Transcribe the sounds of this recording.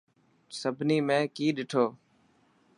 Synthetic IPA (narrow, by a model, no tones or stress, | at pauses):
səbʱniːmẽːkiːɗɪʈʰoː